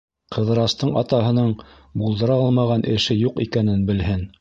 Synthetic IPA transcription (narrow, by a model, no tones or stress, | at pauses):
qʰɤ̆ðɤ̆ɾɑst̪ɤɴɑt̪ɑɦɤ̆nɤɴ | bulˠd̪ɤ̆ɾɑɑlˠmɑʁɑnʔɘ̆ʃɘjuqḭkænɘnbɘ̆lɦɘn